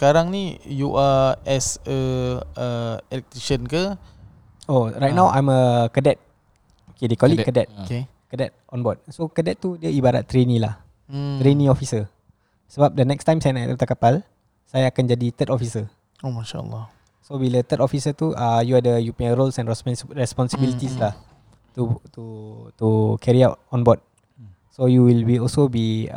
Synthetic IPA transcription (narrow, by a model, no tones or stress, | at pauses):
sə̥kaɾaŋnijuʔaɛsəəɛlɛk̚t̪ɾiʃənkə | oɾajt̪̚nãwʔa̰jməkədɛt̪̚ | okedekɔlikədɛt̪̚oke | kədɛt̪̚ɔ̃nbɔd̚sokədɛt̪̚t̪ːudiəibaɾa̰t̪ːɾenĩla̰h̩ | t̪ɾenĩɔfisə | səbap̚dənɛkst̪ãjmsajanaʔt̪ut̪akapal | sajaːkand͡ʒadit̪ət̪ɔfisə | omaʃa̰ə̰lːɔ | sobilət̪ət̪ɔfisət̪uʔəjuadəjupiə̃nɾolsɛ̃nɹɛsɹɛspɔnsəbilit̪islah | t̪ut̪ut̪ukʰɛɾiaʊt̚ɔ̃nbɔt̚ | sojuwilwiɔlsobi